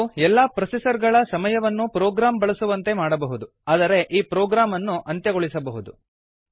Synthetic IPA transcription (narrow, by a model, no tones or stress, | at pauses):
ɛlːaːpɾɐsisɐɾɡɐɭɐsɐmɐjɐʋɐnːupɾɔːɡɾaːmbɐɭɐsuʋɐnt̪e̞maːɽɐbɐɦud̪u | aːd̪ɐɾe̞ʔiːpɾɔːɡɾaːmɐnːuʔɐnt̪jɐɡoɭisɐbɐɦud̪u